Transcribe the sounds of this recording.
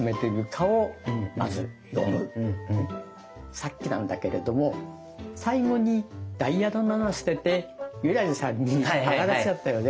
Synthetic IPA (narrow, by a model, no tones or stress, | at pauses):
ɨme̞t̪eɡɯ̟kʰaoma̰zɨ̰ | jo̰mɯ̰̃ | sakʲːinã̰nd̪ake̞ɾe̞d̪o̞mo̞ | saiɡo̞ɲ̟id̪̥aijad̪o̞nːanaɕi̥t̪e̞t̪e̞jɯ̟ɾaʑisãɲ̟ːihakad̪aɕiat̪ːajo̞ːd̪e